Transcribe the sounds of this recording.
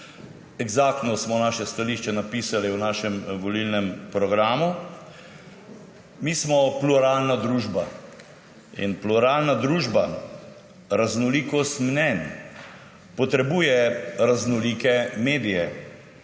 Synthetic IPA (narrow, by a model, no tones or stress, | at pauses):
ɛɡzaːk̚t̪nɔsmɔnaːʃɛst̪aliːʃt͡ʃɛnapiːsaliwnaːʃɛmʋɔlilnɛmpɾɔɡɾaːmu | miːsmɔpluɾalnad̪ɾuːʒba | ḭnpluɾaːlnad̪ɾuːʒba | ɾaznɔlikɔst̪mnɛn | pɔt̪ɾɛbuːjɛɾaznɔliːkɛmeːd̪ijɛ